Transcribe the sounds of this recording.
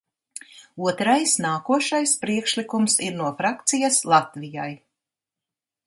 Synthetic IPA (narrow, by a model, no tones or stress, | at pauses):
uɔt̪ɾajsnaːkuɔʃajspɾiɛkʃlikumsiɾnuɔfɾakt̪sijaslˠat̪vijaj